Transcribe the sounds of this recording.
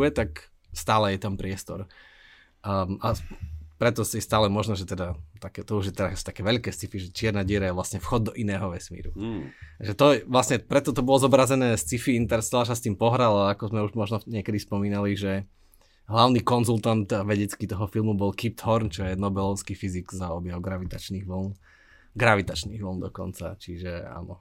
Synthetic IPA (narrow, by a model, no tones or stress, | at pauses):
ɛt̪ak | st̪aːlɛjɛt̪ampɾɪɛst̪ɔ̰ɾ | ʔapɾɛt̪ɔsɛst̪aːlɛmɔʒnɔʒɛt̪ɛd̪at̪akɛːt̪ɔuʒjɛt̪ɛɾasu̥t̪akɛːʋɛʎkɛːst͡sifiʒɛt͡ʃɪɛɾnaɟɪɛɾajɛʋlasɲɛfxɔd̪ːɔʔinɛːɦɔʋɛsmḭːɾuaʒɛt̪ɔʋlasɲɛpɾɛt̪ɔt̪ɔbɔlɔzɔbɾazɛnɛːst͡sifiint̪ɛɾst̪alasast̪iːmpɔɦɾalaakɔzmɛuʒmɔʒnɔɲɪɛkɛd̪ispɔmiːnaliʒɛ | ɦlaʊnikɔnzulˠt̪ant̪ʋɛɟɛt͡skit̪ɔɦɔfilˠmubɔlkip̚t̪hɔɾnt͡ʃɔjɛnɔbɛlɔʊskifiziɡzaɔbjɛʊɡɾaʋit̪at͡ʃniːɣʋl̩n | ɡɾaʋit̪at͡ʃniːɣʋl̩nd̪ɔkɔ̰nt͡sa̰t͡ʃiʒɛa̰ːnɔ